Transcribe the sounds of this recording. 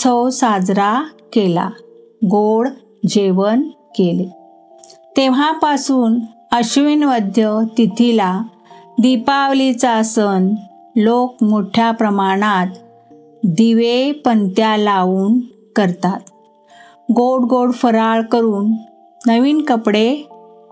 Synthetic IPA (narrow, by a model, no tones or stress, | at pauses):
t͡sʰəwsad͡zɾakela̰ | ɡoɽ | d͡ʑeʋən | kele | t̪eʋ̤apasuːn | əɕʋinʋəd̪ʱjət̪it̪ʰila | d̪ipaʋlit͡sasən | lokmoʈʰjapɾəmaɽ̃at̪ | d̪iʋepənt̪jalauːn | kəɾt̪at̪ | ɡoɽɡoɽfəɾaɭkəɾuːnː | əʋiːnkəpɽe